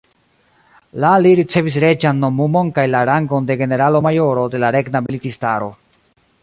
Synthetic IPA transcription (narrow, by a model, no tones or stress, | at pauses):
laliɾit͡se̞vis̬ɾe̞d͡ʒanːo̞mumo̞nkajlaɾaŋɡo̞nde̞ɡe̞ne̞ɾalo̞majo̞ɾo̞de̞laɾe̞ɡnabilitistaɾo̞